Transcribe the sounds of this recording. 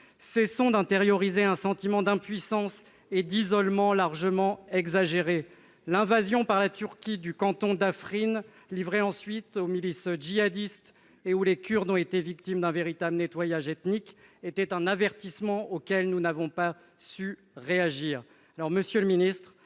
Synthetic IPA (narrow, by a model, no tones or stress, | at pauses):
sɛsɔ̃d̪ɛ̃t̪eʁjɔʁizeɛ̃sɑ̃t̪imɑ̃d̪ɛ̃pɥisɑ̃s | ed̪izɔlmɑ̃laʁʒəmɑ̃ɛɡzaʒeʁe | lɛ̃vazjɔ̃paʁlat̪yʁkʲid̪ykɑ̃t̪ɔ̃d̪afχin | livʁeɑ̃sɥit̪omilisʒiad̪ist̪ | eulekʲyʁd̪ɔ̃et̪evik̚t̪imd̪ɛ̃veʁit̪ablnet̪wajaʒɛt̪niket̪ɛt̪ɛ̃navɛʁt̪ismɑ̃okʲɛlnunavɔ̃pa | sy | ʁeaʒiːʁ | alɔʁməsjøləminist̪χ